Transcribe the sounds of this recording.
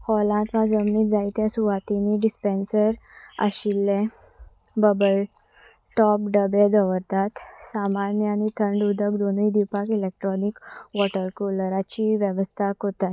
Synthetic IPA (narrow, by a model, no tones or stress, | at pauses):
hɔlãt̪ʋãd͡zəmniːd͡zait̪jasuʋat̪iniɖispensəɾa̰ɕilːẽ | bəbəl | ʈɔp̚ɖəbed͡z̪əʋəɾt̪at̪samanjəañit̪ʰəɳɖud̪ʱəkd̪onuid̪iwpakilek̚ʈɾɔnikʋɔʈəɾkuləɾat͡ɕiʋjəʋəst̪ʰakot̪at̪